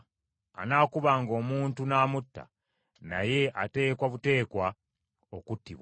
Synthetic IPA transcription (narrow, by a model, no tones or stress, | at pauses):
a̰naːkuβaŋɡo̞ːmuːntunaːmutːa̰ | na̰je̞ʔate̞ːkwaβute̞ːkwa | o̞kutːḭβwa